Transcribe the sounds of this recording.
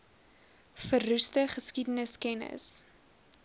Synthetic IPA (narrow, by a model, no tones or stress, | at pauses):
fərːustəχəskidənəskɛnə̰s